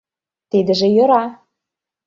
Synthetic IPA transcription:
t̪id̪ə̆ʒĕjɤ̆ɾɑ

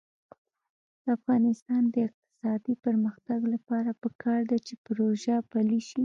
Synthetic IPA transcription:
d̪̥əafɣɑnɪst̪ɑnd̪əɪq̚t̪ɪ̥sɑd̪ipəɾməxt̪aɡlapɑɾapəkʰɑɾd̪at͡ʃepɾoʒapaliʃi

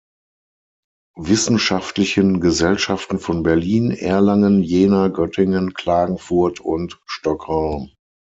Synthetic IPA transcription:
vɪsn̩ʃaftlɪçənɡəzɛlʃaftn̩fɔnbɛɐliːnʔɛːɐlaŋənjeːnaɡœtʰɪŋənkl̥aːɡŋ̩fʊɐtʰʊntʃtɔkʁaʊm

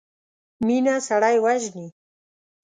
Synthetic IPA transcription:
minasaɽajwaʒni

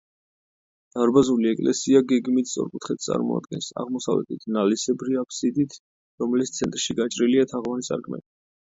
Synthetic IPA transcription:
d̪̥aɾbazuliɛkʼlɛsiaɡɛɡmit̪ʰsʼɔ̰ɾkʼut̪ʰχɛt̪̚ʰt̪sʼa̰ɾmɔ̰a̰d̪ɡɛnsa̰ʁmɔsa̰vlɛ̰t̪ʰit̪ʰnalisɛbɾiapʰsid̪it̪ʰ | ɾɔmɛlit̪st̪sʰɛnt̪ʼɾʃiɡat͡ʃʼɾiliat̪ʰaʁvanisʼa̰ɾkʰʼmɛ̰ni

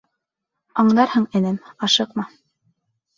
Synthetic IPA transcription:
ɑɴd̪ɑɾhɤɴɘ̆næmɑʃɤqmɑ

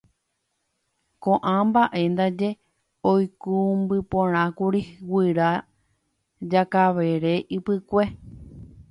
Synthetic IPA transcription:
kõʔãmbaʔe̞nd̪ad͡ʒe̞ | ojkumbɨpõɾ̃ãkuɾiwɨɾa | d͡ʒakaʋe̞ɾe̞ʔɨpɨkʷe̞

